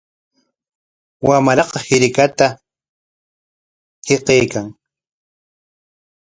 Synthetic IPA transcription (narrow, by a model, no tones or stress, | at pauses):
wamɾɑqɑhɪɾɪkat̪a | heqejkaŋ